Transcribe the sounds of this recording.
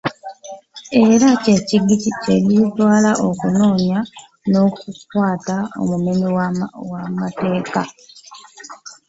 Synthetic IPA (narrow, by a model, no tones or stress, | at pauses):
e̞ɾaceciɡiciceɾitwaːlaʔokuno̞ːɲa | no̞ːkukwaːtao̰mumeniwamate̞ːka